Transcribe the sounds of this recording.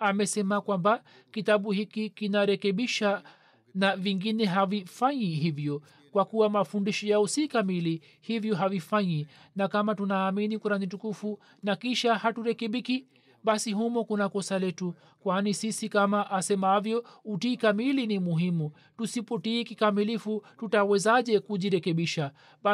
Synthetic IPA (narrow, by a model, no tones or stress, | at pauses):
amɛsɛmakwamba | kitaɓuhikikinaɾɛkɛɓiʃa | naviŋɡinɛɦavifaɲiɦivjɔ | kwakuwamafundiʃɔjaɔsikamili | hivjɔɦavifaɲi | nakamatunaːminikuɾanit̬ukufu | nakiʃahatuɾɛkɛɓiki | ɓasiɦumɔkunakɔsalɛtu | kwanisisikamaʔːsɛmahavjɔutiːkamilinimuɦimu | tusipɔtiːkikamilifututawɛzaʄɛkuʄiɾɛkɛɓiʃa | ɓa